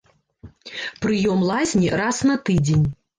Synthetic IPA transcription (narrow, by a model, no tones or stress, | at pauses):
pɾɨjɔmlˠazʲnʲirasnɐt̪ɨd͡zʲenʲ